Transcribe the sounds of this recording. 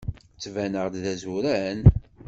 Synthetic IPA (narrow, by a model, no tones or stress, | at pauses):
t͡sːvænəʁd̪ðæzuɾæn